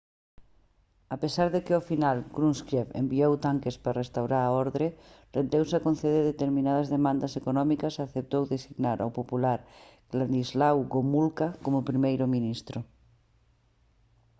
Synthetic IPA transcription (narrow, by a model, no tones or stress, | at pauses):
apesaɾðekeofinalɡɾunskjefḛmbiowt̪aŋkespɾarest̪awɾaɾaoɾðɾerend̪ewsakõn̟θeð̞eɾðet̪eɾmĩnað̞azðemãnd̪asekonɔmikasaθep̚t̪owðesiɣnaɾa̰wpopulaɾɣ̥land̪izlawɣomulkakomopɾimejɾomĩnist̪ɾo